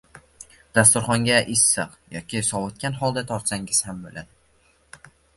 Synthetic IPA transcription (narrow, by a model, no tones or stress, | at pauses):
d̪̥ast̪ʊɾχɒŋɡʲaʔɪsːɨqjɒ̰kʲɪsɒwʊt̪̚kʲanɦɒlˠd̪at̪ʰɒɾt̪saŋɡʲɪz̥hambolʔad̪ɪ